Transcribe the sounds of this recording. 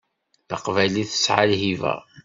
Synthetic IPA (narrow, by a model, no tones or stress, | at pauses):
θə̰qvæjliθə̥sʕalɦivæ̰